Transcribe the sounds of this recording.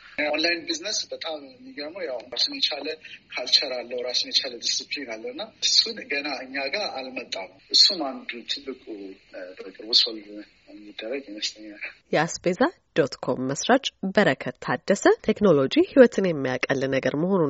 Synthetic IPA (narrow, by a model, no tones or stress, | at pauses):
janlajnbiznəsbət̪ʼammːiɡənəwjawasɨnjɛt͡ʃaləkʰalt͡ʃʰəɾalːəhwɾasɨnjɛt͡ʃaləd̪isiplinalːəwɨnːaɨsunɡənaʔɨɲːaɡaʔalmət̪ʼːan | ʔɨsːunand̪ut̪ʰɨlːɨkʼuəkʼɨɾbosol | ɛmːid̪ːərəɡɛnəst̪ʰʼəɲːaljɛasbezad̪̥o̞t̪kʰo̞mːəsɾat͡ʃʼbəɾəkʰət̪t̪ʰːad̪ːəsət̪ʰekno̞lo̞d͡ʒihiwɔt̪ʰɨnjɛmːijakʼəlːɨnəɡəɾməho̞nun